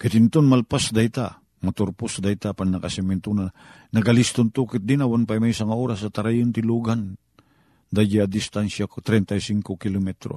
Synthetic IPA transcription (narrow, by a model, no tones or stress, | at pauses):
kat̪ɪnt̪onmalpasd̪ajt̪a | mat̪ʊɾpʊsd̪ajt̪apannɐkasɛmɛnt̪una | nɐɡalɪst̪ont̪uːkɪt̪̚d̪ɪnawanpajmajsaŋaoɾasat̪aɾajʊnt̪ɪluɡan | d̪ad͡ʒaad̪ɪst̪ansakt̪ɾɛnt̪ajsiŋkokɪlomɛt̪ɾo̰